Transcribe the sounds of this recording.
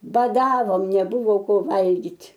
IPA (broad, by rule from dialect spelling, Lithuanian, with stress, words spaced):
bɐˈdɑːʋoːm nʲɛˈbʊʋoː ˈkoː ˈʋɐlʲɡʲɪtʲ